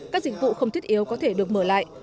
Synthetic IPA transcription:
kaː˦˥k̚zï˨˩k̟̚vṵ˧˨xə˧wŋ͡mt̪ʰtʔi˨˦wkɔ˨˦t̪ʰe˧˩ɗɨ˨˩ək̚məː˧˩la̰ː˧˨jʔ

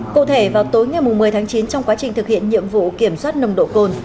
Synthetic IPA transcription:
kṵ˧˨t̪ʰe˧˩vaː˨˩wt̪o˨˦jŋa˨˩jmʊ˨˩ŋ͡mmɨ˨˩əjt̪ʰaː˨˦ŋt͡ɕi˨˦nt͡ɕɔ˧wŋ͡mkwaː˨˦t͡ɕï˨˩ŋ̟t̪ɨ˨˩k̚hḭ˧˨ənɲḭ˧˨əmvṵ˧˨ki˧˩əmswaː˦˥t̚nə˧wŋ͡mɗo̰˧˨ko˧n

